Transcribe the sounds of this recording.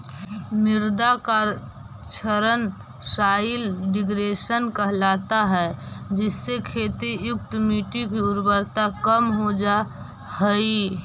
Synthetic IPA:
mɪɾd̪aka | t͡ʃʰəɾən | saːɪlɖɪɡɾeːʃənkəɦlaːt̪aɦɛd͡ʒɪsːekʰeːt̪ijʊk̚t̪miːʈikiʊɾbəɾt̪akəmɦod͡ʒa | həi

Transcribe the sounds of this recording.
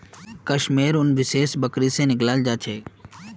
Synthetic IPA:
kəʃmeːɾʊnʋɪʃeːʃbəkɾisenɪklaːld͡ʒaːt͡ʃʰeː

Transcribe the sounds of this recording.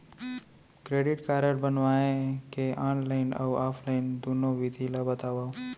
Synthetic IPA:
kɾeːɖɪʈkaːɾəɾbənʋaẽkeʔaːnlaɪna̰waːpʰlaɪnd̪unoʋɪd̪ʱilabət̪aːʋa

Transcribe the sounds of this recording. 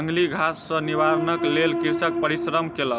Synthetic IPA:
ŋɡliɡʱasːəniʋaɾənəklelkiɾsək̚pəɾisɾəmkelə

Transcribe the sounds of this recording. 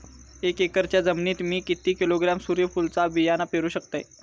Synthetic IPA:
ekekəɾt͡ɕjad͡zəmniːt̪miːkit̪iːkiloɡɾamsuːɾjəfult͡sabijanapeɾuːɕəkt̪a̰j

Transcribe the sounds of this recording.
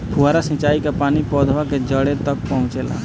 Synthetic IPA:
pʰʊɦaːɾasĩt͡ʃaːikapaːnipɔːd̪ʱʋaked͡ʒəɽet̪ək̚pəɦʊ̃t͡ʃela̰ː

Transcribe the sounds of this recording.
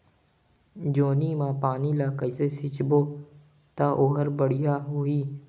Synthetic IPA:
d͡ʒoːniːmãːpaːnilaːkəisesɪt͡ʃboː | t̪aʔoːɦəɾbəɽijaɦʊiː

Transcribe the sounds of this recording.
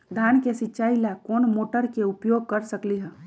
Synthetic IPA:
d̪ʱjankesɪːt͡ʃʃaːilakoːnmoːʈəɾkeʊpjoːɡ̚kəɾsəkliɦɛ̃

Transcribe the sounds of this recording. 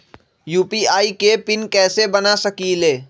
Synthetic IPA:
juːpiaːikepɪnkɛːsebɐnasɐkileː

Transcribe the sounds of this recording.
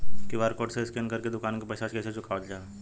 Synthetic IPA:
kiʋaɾkoːʈseɪskenkəɾked̪ʊkaːnkepɐjsaskɛːset͡ʃʊkaːʋət̪d͡ʒaː

